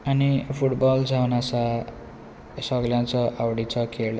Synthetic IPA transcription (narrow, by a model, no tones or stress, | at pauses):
ʌnipʰuʈbʌld͡zʰʌnasa | sʌɡljãt͡sʰʌʔawɽit͡sʰʌkʰeɽ